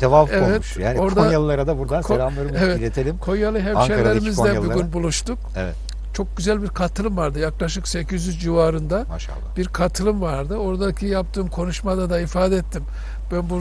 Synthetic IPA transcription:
evafevɛt̪uʃjaːnio̞ɾd̪aalˠlˠaɾad̪abuɾanskʰlamlˠaɾɯevɛtilʲet̪ʰelʲimkʰo̞jjalˠɯɦɛmʃelʲːeɾimizɛbiɡʲynbulˠuʃt̪u | ɛ̰vɛ̰t̪ | t͡ʃʰo̞k̚ɟyzælʲbiɾkʰat̪ʰɯlˠɯmvaɾd̪ɯjaklˠaʃɯkse̞cʰizyzd͡ʒivaːɾɯnd̪ama̰ʃa̰lˠːa̰b̥iɾkʰat̪ʰɯlˠɯmvaɾd̪ɯo̞ɾd̪acʰijap̚t̪ʰɯːmkʰo̞nuʃmad̪ad̪aifaːd̪ɛɛt̪ʰːim | b̥ænbu

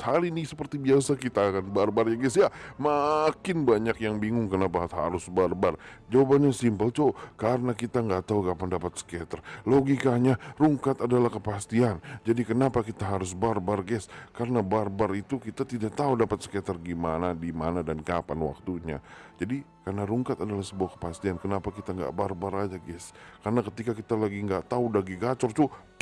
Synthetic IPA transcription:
alinɪsəpərt̪ibiasakit̪akanbarbarjaɡɛsjamakɪnbaɲakjaŋbiŋʊŋkənapaɦa̰ɾʊsbarbard͡ʒawabanɲasimpəlt͡ʃokaɾənakit̪aŋɡat̪aukapandapat̪̚sə̥kɛt̪ərloɡikaɲaɾuŋkat̪adalahkəpast̪iand͡ʒadikənapakit̪aɦaɾʊs̬barbarɡɛskarənabarbarit̪ukit̪at̪idaʔ̚t̪audapat̪̚sə̥kɛt̪ərɡimanadimanadankapanwa̰k̚t̪uɲa̰d͡ʒadikarnaɾuŋkat̪adalahsəbuahkə̥past̪iankənapakit̪aŋɡa̰ʔbarbaɾad͡ʒaɡɛskarnakət̪ikakit̪alaɡiŋɡaʔt̪audaɡiɡat͡ʃɔrt̪u

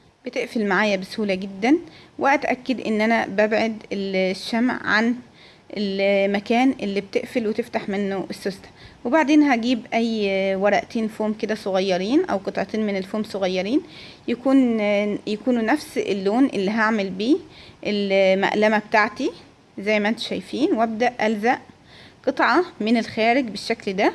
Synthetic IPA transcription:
b̥et̪eʔfelmaʕaːjæbeshuːlæɡed̪ːænweʔæt̪ʔækːed̪ʔḛnːʔænæbæbʕed̪elʃːæmʕʕa̰n | ʔelmækæːnʔelːib̚t̪eʔfelwet̪eft̪aħmenːoʔesːost̪æ̥webaʕd̪eːnɦæɡiːbʔæjːwɑɾˤɑʔt̪eːnfoːmked̪æsˤoɣɑjːɑɾiːnʔæwqɨt̪ˤʕɑt̪eːnmenelfoːmsˤoɣɑjːɑɾiːn | jækuːnjækuːnunæfsḛlːoːnʔelːiɦaʕmelbiːʔelmæ̰ʔlæmæb̚t̪aʕt̪i | zæjːmæʔænt̪o̥ʃæjfiːnwʔæb̚d̪æʔʔælzæʔ | qɨt̪ˤʕɑmɪnelxæːɾɪɡbeʃːækld̪æ

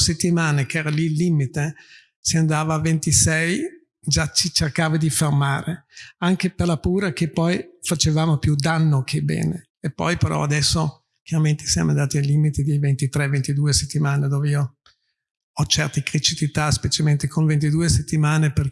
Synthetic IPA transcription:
set̪ːimaːnekɛːɾalilːiːmit̪e | siand̪aːvaːvent̪isɛj | d͡ʒat͡ʃit͡ʃerkaːvad̪ifermaːɾeaŋkeperlapuːɾakepːɔjfat͡ʃevaːmopjud̪anːokʰebɛ̰ːnḛːpːɔ̰jpeɾʔɔ̰ad̪ɛsːo | k̟jaɾament̪ʰe̥sja̰mʔoã̰nd̪aːt̪ialːimit̪id̪ejvent̪it̪ɾɛvent̪id̪uːeset̪ːimaːned̪oːveiːo | ɔt͡ʃɛrt̪ekɾit͡ʃit̪it̪aspet͡ʃalment̪ekʰoɱvent̪id̪uːeset̪ːimaːneper

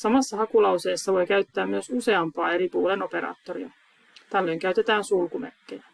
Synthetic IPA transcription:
sɑmɑsːɑhɑkulɑwse̞ːsːɑʋo̞jkæyɥt̪ːæːmmyøsuse̞ɑmpɑːe̞ɾipuːleno̞pe̞ɾɑ̰ːt̪ːoɾḭɑ̰ | t̪ælːe̞jŋkæyt̪e̞t̪æːnsulkumæ̰kːejæ

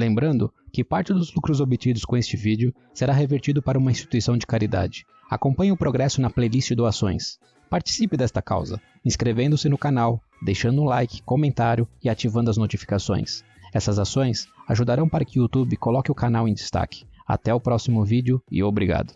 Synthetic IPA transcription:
lẽmbɾɐ̃nd̪ʊkɪpaɾt͡ʃɪd̪ʊzlukɾʊzobɪt͡ʃid̪ʊskõest͡ʃɪvid͡ʒɪʊ | seɾaɦeveɾt͡ʃid̪ʊpaɾɐũmɐĩst͡ʃi̥t̪uisɐ̃w̃d͡ʒɪkaɾid̪a̰d͡ʒɪ̥ | a̰kõmpɐ̃ɲʊʊpɾoɡɾɛsʊnɐplejlist͡ʃɪd̪oasõj̃s | paɾt͡ʃi̥sipɪd̪ɛst̪ɐka̰wzɐ̰ | ĩskɾevẽnd̪ʊsɪnʊkanaw | d̪ejʃɐ̃nd̪ʊũlajkɪ̥komẽnt̪aɾjʊɪat͡ʃivɐ̃nd̪ʊɐznot͡ʃifi̥kasõ̰j̃s | ɛsɐzasõj̃saʒud̪aɾɐ̃w̃paɾɐkɪut̪ubɪkolɔkɪʊkanawẽj̃d͡ʒ̪ɪst̪a̰kɪ̥a̰t̪ɛʊpɾɔsimʊvid͡ʒɪʊɪ̰obɾiɡa̰d̪ʊ

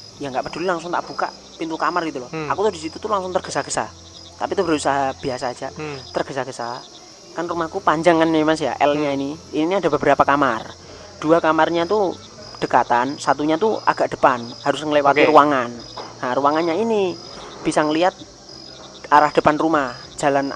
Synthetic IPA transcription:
jaŋɡaʔpəd̥ulilaŋsʊŋt̪aʔb̥uka̰ʔ | pint̪ukamarɡit̪ulɔhakut̪ʊhdisit̪ut̪ulaŋsʊŋt̪ərɡ̥əsaɡ̥ə̥sa̰ | t̪apit̪ubɾausaɦab̥iasḁːd͡ʒat̪ərɡ̥əsaɡəsa | kanrumahakupaɲd͡ʒaŋanːamas̬ja̰ʔɛ̰lɲainiininiadabəbəɾapakamar | d̥uakamarɲat̪u | d̥ə̤kat̪ansat̪uɲat̪ua̰ɡ̥aʔd̥ə̤̥panhaɾʊsŋəlewat̪iɾuaŋanaruaŋanɲaini | b̥isaŋəliat̪̚ | aɾahd̥əpanrumah | d͡ʒ̥a̤lan

